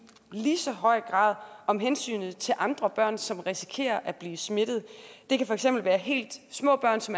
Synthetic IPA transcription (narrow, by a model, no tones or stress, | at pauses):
lisɒ̽ɦɒ̽ɪ̰ɡ̥ʁɑ̰̈ːð̞̰ˠɒ̽mɦensy̰ːnð̩ˠt͡sʰe̝ʔɑ̈nd̥ʁɐb̥ɶɐ̰nsɒ̽mʁisi̥kʰe̝̰ːɐʔæb̥liːsme̝d̥ð̞̩ˠd̥e̝kʰæfɒ̽eɡ̥sem̰b̥l̩ʋæːɐɦe̝̰ːld̥smɔ̰̽ːb̥ɶɐ̰nsɒ̽m